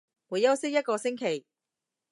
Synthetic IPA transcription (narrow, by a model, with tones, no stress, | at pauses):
mu˨˧jɐ˥wsɪ˥k̚jɐ˥t̚kɔː˧sɪ˥ŋkʰe˨˩j